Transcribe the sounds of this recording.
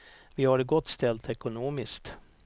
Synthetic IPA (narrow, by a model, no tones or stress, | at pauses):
vɪhaɖɡɔt̪ːst̪ɛlt̪ɛkʊnoːmɪskt̪